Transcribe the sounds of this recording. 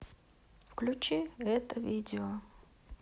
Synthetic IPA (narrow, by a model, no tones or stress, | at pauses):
fklʲut͡ɕiɛt̪əvʲidʲɪo